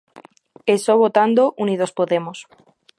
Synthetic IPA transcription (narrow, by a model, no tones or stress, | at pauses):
esoβot̪and̪oʔuniðospoðemos